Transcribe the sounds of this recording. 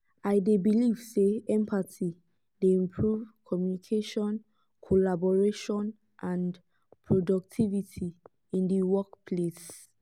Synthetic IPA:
aɪdebiliv̥seɛ̃mpʰati | deĩmpʰɹuvkʰɔmjunikʰeʃɔ̃n | kʰolabɔɹeʃɔ̃n | ʔãn | pʰɹodɔk̚tʰivitʰi | ĩndiwɔkpʰles

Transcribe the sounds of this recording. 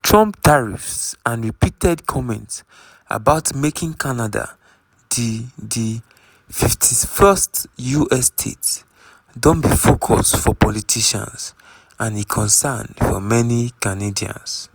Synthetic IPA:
tʰɹɔ̃mptʰaɹḭfsãnɹipitɛdkʰɔmɛ̃nts | a̰baʊtmekĩŋkʰanada̰ | ddi | fiftʰifɛstjuʔɛstʰḛt | dɔ̃nbifokʰɔ̰stfɔpʰɔlitʰiʃã̰ns | ʔãnikʰɔ̃nsɛndfɔ̰mɛnikanediã̰ns

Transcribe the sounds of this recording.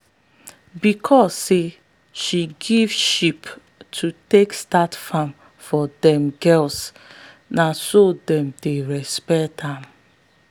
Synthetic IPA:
bikʰɔsːe | ʃiɡivʃip | tʰutekstatfãm | fɔdɛ̃mɡɛls | nasodɛ̃mdeɾɛspɛthãm

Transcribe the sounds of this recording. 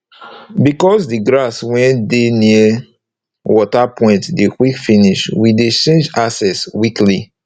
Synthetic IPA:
bikɔsdiɡɹaswɛ̃ndeniə | wɔtapʰɔ̃ɪ̃ntdekwikfiniʃwidet͡ʃẽnd͡ʒasɛswikli

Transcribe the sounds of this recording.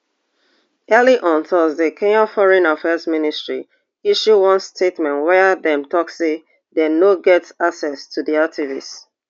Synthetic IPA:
ɛliʔɔ̃ntʰɔzdəkʰẽŋɔfɔɹɛ̃nafɛzministɹḭ | iʃuwɔ̃nstʰetmɛ̃nwɛdɛ̃mtɔkse | dɛnoɡɛtsaksɛstʰudiak̚tʰivis

